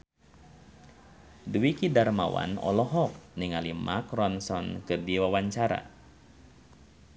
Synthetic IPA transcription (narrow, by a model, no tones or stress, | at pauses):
duwikidarma̰wa̰nɔ̰lɔɦɔk̚niŋalimʔakrɔnsɔnkɨrdiwawaɲt͡ʃaɾa̰